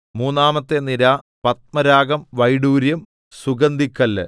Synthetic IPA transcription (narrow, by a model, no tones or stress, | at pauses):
muːnːaːmɐt̪ːeniɾa | pɐt̪̚mɐɾaːɡɐmʋɐjɽuːɾjɐm | suɡɐnd̪ʱikːɐlːɐ̰